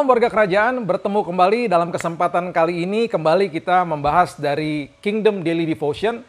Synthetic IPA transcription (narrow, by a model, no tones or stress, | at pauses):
mwarɡakəɾad͡ʒaʔanbərt̪əmukəmbalidalamkəsəmpat̪ankaliːnikəmbalikit̪aməmbaɦasdaɾikiŋdəmdelidifoʃiən